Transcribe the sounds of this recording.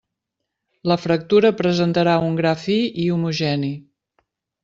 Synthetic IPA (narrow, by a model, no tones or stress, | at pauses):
ləfɾək̚t̪uɾəpɾəzənt̪əɾauŋɡɾafiiumuʒɛni